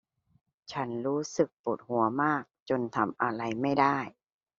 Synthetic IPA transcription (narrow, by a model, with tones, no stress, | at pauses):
t͡ɕʰa˦˥nɾuː˦˥sɯ˨˩k̚po˨˩t̪̚hu˩˦ɐmaː˥˩k̚t͡ɕo˧nt̪ʰa˧mʔa˧ɾa˧˩jma˥˩jda˥˩j